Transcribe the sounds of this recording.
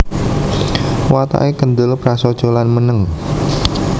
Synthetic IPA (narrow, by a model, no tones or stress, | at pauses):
wat̪a̰ʔekənd̪ʊlpɾasɔd̥ʒ̥olanmənəŋ